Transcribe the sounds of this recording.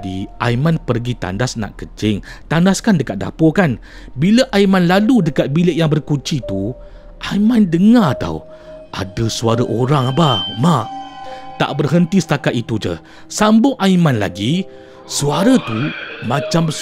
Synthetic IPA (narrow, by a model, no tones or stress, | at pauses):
dia̰imanpərɡit̪a̰ndasna̰ʔkət͡ʃɪŋt̪andaskandəkat̪̚da̰pokan | biləʔaimanlaludəkat̪̚bilɪʔjaŋbərkut͡ʃit̪u | ʔaimandəŋat̪a̰w | ʔadəsuaɾəʔoɾaŋbamaʔt̪a̰ʔbərɦənt̪isə̥t̪akat̪̚it̪ud͡ʒə̰ | sambʊŋʔaimãnla̰ɡi | suaɾət̪umãt͡ʃambəs